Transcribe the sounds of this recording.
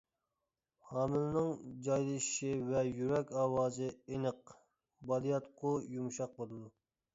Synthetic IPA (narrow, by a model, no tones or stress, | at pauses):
hɑːmɪlnɨŋd͡ʒɑjlˠɨʃʃivɛjyɾɛkʲɑːwɑːzɨenəq | bɑlˠijɑt̪qʰʊjumʃɑq̚bolˠɨd̪u